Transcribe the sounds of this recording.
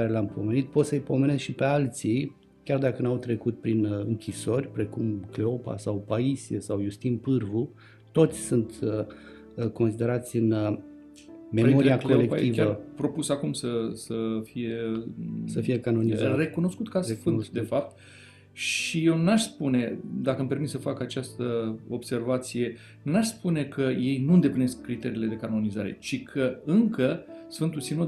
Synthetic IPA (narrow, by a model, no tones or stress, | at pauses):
aɾe̞leampʰo̞me̞nit̪̚po̞t̪səjpo̞me̞neskʃipe̞alt̪si | kʲard̪akənawt̪ɾe̞kut̪̚pɾinɨŋkʲʰiso̞rʲpɾe̞kumkle̞o̞pa̰sawpaisiesawjust̪inpɨrvu | t̪o̞t̪sʲsunt̪ə | ko̞nsid̪e̞ɾat̪sʲɨn | me̞mo̞ɾiako̞le̞kt̪ivʲaəpɾo̞pusakumsəsəfije̞ | səfiekanonizare̞kuno̞skut̪kasfɨnt̪d̪efap̚t̪̚ | ʃije̞wnaʃspune̞d̪akəmpe̞rmit̪səfakat͡ʃast̪əo̞bse̞rvat̪sije̞ | naʃspune̞kʰəje̞jnuɨnd̪e̞plineskːɾit̪e̞ɾiːle̞d̪e̞kano̞nizaɾe̞̰t͡ʃikʰəɨŋkəsfɨnt̪usino